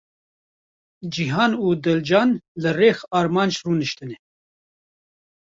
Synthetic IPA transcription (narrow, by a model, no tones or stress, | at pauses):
d͡ʒiɦɑːnuːd̪ɛld͡ʒɑːnlɨreːxɑːɾmɑːnd͡ʒruːnɨʃt̪ɨnɛ